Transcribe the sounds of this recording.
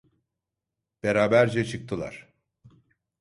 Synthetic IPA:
b̥eɾaːbæɾd͡ʒɛt͡ʃʰɯk̚t̪ʰɯlˠa̰ɾ̥

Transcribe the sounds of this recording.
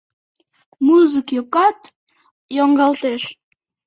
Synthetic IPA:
muzəkjokɑt̪ | joŋɡɑlt̪eʃ

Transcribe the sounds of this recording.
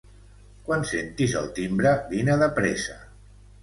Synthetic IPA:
kwansent̪izə̰lˠt̪imbɾəβinəðəpɾesə

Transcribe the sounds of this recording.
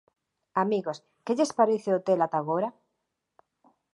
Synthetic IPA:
amiɣos | keʎespaɾeθeot̪elat̪aɣoɾa

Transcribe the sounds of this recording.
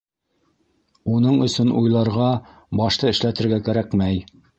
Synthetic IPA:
unɤɴɵ̆sɵnʔujlˠɑɾʁɑ | bɑʃt̪ɤɘ̆ʃlæt̪ɘ̆ɾɡækæɾækmæj

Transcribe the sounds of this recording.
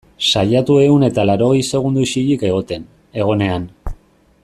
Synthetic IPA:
saʎat̪ue̞une̞t̪alaɾo̞ɣjse̞ɣ̞und̪uʃiʎike̞ɣ̞o̞t̪e̞n | e̞ɣ̞o̞ne̞an

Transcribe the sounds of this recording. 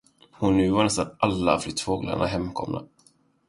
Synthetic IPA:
hʊnːʉ̟ːvaɳɛst̪analːa̰flʏt̪ːfoːɡla̰ɳaɦɛmːkʰɔ̰mna̰

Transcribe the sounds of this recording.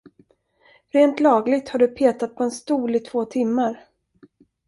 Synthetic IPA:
ɾeːnt̪lɑːɡlɪɡ̚t̪haɖɵpʰeːt̪at̪̚pʰɔɛnst̪uːlɪt̪ʰv̥oːt̪ʰɪmːaɾ

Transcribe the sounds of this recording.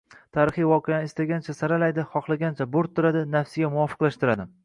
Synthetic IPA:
t̪ʰaːɾɪχɨjvɒqeaɪst̪aɡʲant͡ʃʰasaɾalajd̪ɪχɒχlˠaɡʲant͡ʃʰaboɾt̪ʰːʊɾad̪ɪnafsɪɡʲamʊwɒːfɨ̥qlaʃt̪ɪɾad̪ɪ

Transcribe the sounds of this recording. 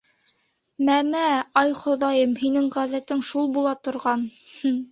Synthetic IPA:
mæmæɑjχŏðɑjɤmhinɘŋʁæðæt̪ɘŋʃulˠbulˠɑt̪ŏɾʁɑnh

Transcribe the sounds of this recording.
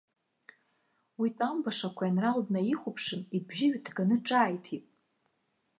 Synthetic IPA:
witʼambaʂakʷʰajanralbnaiχʷʊpʰʂɨnibʒɪɥᶣdʰɡanɨʈ͡ʂʼaːjtʰipʼ

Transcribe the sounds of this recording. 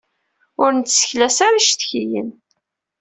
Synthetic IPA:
ʊɾnt̪ːsə̥çlæsaɾaʃt̪çijə̰n

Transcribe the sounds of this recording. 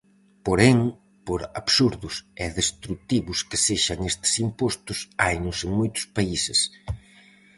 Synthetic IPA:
poɾeŋ | poɾaβsuɾðʊsɛðest̪ɾut̪iβʊskɪseʃaŋest̪ɪ̥simpɔst̪ʊsajnʊsɪmojt̪ʊ̥spaisɪs

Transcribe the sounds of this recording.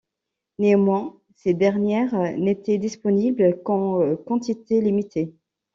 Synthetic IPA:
neɑmwɛ̃ | sed̪ɛʁnjɛʁnet̪ɛd̪ispɔniblkɑ̃kɑ̃t̪it̪elimit̪ʰe

